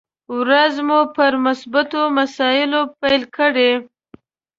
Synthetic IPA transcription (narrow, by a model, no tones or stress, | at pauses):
wɾazmupəɾmasbat̪omasɑjɪlopajlkəɽe